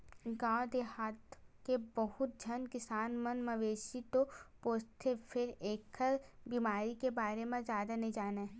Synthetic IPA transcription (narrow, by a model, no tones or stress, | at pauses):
ɡãːd̪eɦaːt̪kebəɦʊt̪̚d͡ʒʱənkɪsaːnmənmɐʋeːʃit̪opoːst̪ʰepʰɪɾeːkʰəɾbiːmaːɾikebaːɾemẽzjaːd̪anəid͡ʒaːneː